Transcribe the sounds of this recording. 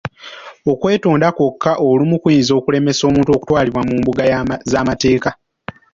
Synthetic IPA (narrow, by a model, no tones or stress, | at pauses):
o̞kwe̞ːtuːndakokʰːaʔolumukwiːnzo̞ːkule̞me̞so̞ːmuːnto̞ːku̥twaːliβwamuːmbuɡazaːmate̞ːka